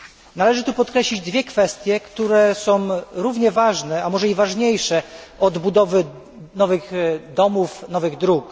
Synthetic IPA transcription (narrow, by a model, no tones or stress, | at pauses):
nalɛʐɘt̪upɔt̪kɾɛɕlʲid͡ʑd̪vʲjɛkfɛst̪ʲjɛkt̪uɾɛsɔ̃w̃ɾuvɲɛvaʐnɛamɔʐɛivaʐɲejʂɛɔd̪bud̪ɔvɘ | nɔvɘɣd̪ɔmufnɔvɘɣd̪ɾuk